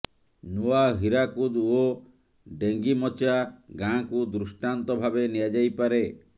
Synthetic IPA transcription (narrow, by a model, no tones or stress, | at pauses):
nuaɦiɾakud̪o | ɖeŋɡimɔt͡ʃaɡãkud̪ɾusʈant̪ɔbʱabeniad͡ʒajpaɾe